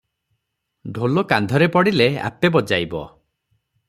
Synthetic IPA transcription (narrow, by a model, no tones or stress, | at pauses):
ɖʱolokand̪ʱɔɾepɔɽilea̰pebɔd͡ʒajbɔ̰